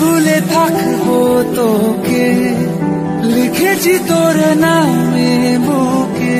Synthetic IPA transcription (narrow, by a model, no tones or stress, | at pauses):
ulet̪ʰakʰbot̪oke | likʰet͡ɕit̪oɾənaweboke